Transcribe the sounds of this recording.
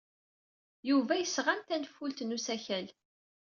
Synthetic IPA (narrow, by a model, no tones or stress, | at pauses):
juvæjəsʁamt̪ænfːult̪nusæçæl